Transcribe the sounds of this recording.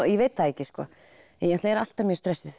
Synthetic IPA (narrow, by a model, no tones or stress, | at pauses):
jɛveːjt̪θaðehcɪskɔ̰ː | ɛnjɛht̪laɛɾal̥t̪amjɛɾst̪ɾɛsːɪθ